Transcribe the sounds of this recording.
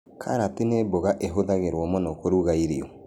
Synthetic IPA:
kʰa̰ɾateneboɣaʔeɦoðaɣeɾwɔmɔnɔkoɾuɣaiɾiɔ

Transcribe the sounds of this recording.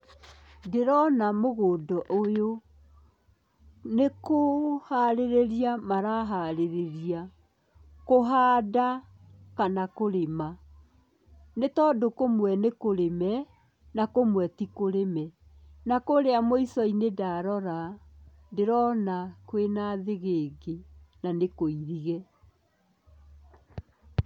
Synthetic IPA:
deɾɔnamoɣoːdɔʔojo | nekohaɾeɾeɾiamaɾaɦaɾeɾeɾia | koɦaːda | kanakoɾema | netɔːdokomwɛnekoɾemɛ | nakomwɛtikoɾemɛ | nakoɾeamoisɔinedaɾɔɾa | deɾɔnakwenaðeɣeːɡenanekoiɾiɣɛ

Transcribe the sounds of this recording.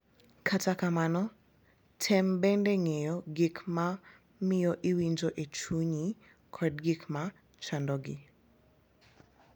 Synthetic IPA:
kʰatakamanɔ | tʰɛmbɛndɛŋejɔɡikma | mɪjɔʔiwiɲd͡ʒoʔet͡ʃuɲi | kʰɔd̚ɡikma | t͡ʃandɔɡɪ̰

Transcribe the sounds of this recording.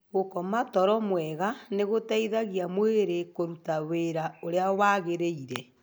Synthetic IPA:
ɣokɔmatɔɾɔmwɛɣaneɣotaiðaɣjamweɾekoɾutaweɾaoɾeawaɣeɾeiɾɛ

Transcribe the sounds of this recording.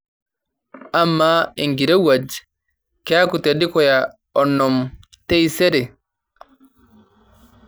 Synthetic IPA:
amːaiŋɡiɾɛwad͡ʒi̥ | kaakut̪eɗikɔja | ɔnːɔm | tɛjsɛɾɛ

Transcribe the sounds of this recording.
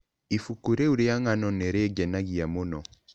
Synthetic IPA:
ifukuɾeuɾejaŋanɔnɛɾeɡɛnaɡijamunɔ

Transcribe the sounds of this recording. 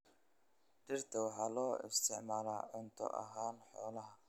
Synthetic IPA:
d̪ɪrt̪ʰɐwɑħɑːlɔːɪ̰st̪ʰɛʕmaːlaːʕɔnt̪ʰɔ̰ʔɐ̰ɦaːnħɔːlɐɦɐ

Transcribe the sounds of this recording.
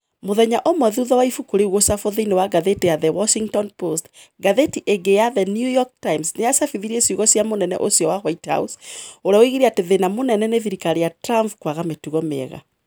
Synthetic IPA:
moðɛɲaʔomwɛðuðɔwaifukuɾeɣwosafoðinewaɡaðetejaðɛwɔʃiŋɡtɔnpost | ɡaðetiʔeɡejaðɛnjujɔk̚taimsnejasafiðiɾiesjuɣɔsjamonɛnɛ̰ʔosiɔwaɣwaitha̰usoɾeaoiɣiɾiateðenamonɛnɛneðiɾikaɾejatɾampkwaɣametuɣɔmḛɣa̰

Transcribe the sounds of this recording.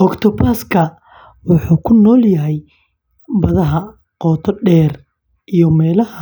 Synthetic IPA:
ʔɔkt̪ʰɔpaːskʰɐ | wɑħuːkʰʊnɔːljɐɦɛj | bɐðɐɦɐ | qɔːt̪ʰɔɖɛːr | ʔijɔmɛːlɐhɐ

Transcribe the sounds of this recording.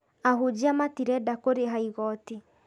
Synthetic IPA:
ahud͡ʑiamatiɾɛdakoɾeɦaiɣɔti

